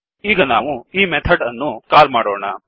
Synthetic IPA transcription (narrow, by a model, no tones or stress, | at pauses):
iːɡɐna̰ːʋuiːmet̪ʰɐɖɐnːukaːɾmaːɽo̰ːɳɐ̰